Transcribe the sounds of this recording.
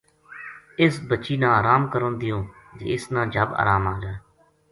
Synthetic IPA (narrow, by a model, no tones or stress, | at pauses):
ɪsbət͡ʃiːnãːaːɾaːmkəɾõːnd̪ɪjõːd͡ʒḛːɪsnãːd͡ʒʱəba̰ːɾaːmaːd͡ʒaː